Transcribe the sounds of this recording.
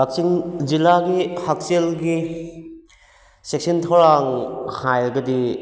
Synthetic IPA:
lak̚siŋd͡ʒilaɡihak̚selɡi | sek̚sintʰawɾaŋhajɐɡɐdi

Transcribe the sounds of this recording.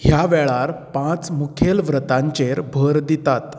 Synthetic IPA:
ɦjaʋɛɭaɾpãt͡smukʰelʋɾət̪ãɲt͡ɕeɾbʱəɾd̪it̪at̪

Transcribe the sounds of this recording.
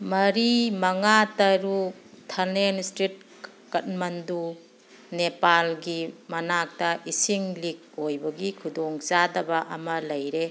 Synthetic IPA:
mɐɾimɐŋatɐɾu | tʰɐlnenstɾit̚ | kɐt̚mɐndu | nepalɡimɐnak̚tɐʔisiŋlik̚ːojbɐɡikʰudoŋzadɐbɐʔɐmɐlɐjɾe

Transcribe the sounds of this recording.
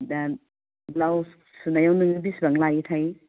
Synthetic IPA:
da | law | sunajawnɯŋibisbaŋlajitʰaj

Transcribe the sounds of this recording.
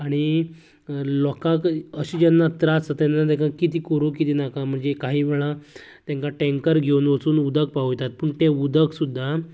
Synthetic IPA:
aɽ̃i | lɔkãkəɕid͡ʑənːat̪ɾat͡sət̪jɛnːat̪ɛ̃kakit̪iːkəɾuːkit̪iːnakam̤əɳd͡zekaɦiːʋɛɭat̪jãŋkaʈɛ̃ŋkəɾɡʱeunʋəsuːnud̪ək̚paɦut̪at̪̚pəɳt̪eud̪əksud̪ʱːa

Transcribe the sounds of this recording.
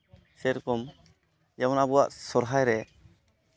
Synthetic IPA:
sɛɾkɔm | jawɔnabuwa̰ʔsɔɾɦajɾɛ

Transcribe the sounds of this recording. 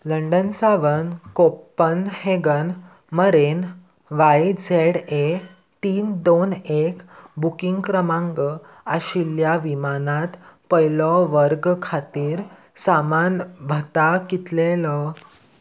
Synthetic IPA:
ləɳɖənsaʋənkopːənheɡən | məɾen | ʋajid͡zʱeɽe | t̪iːnd̪onekbukiŋɡkɾəmãŋɡə | aɕiljaʋimanãt̪pəjlɔʋəɾɡkʰat̪iːɾ | samanbʱət̪akit̪lelɔ

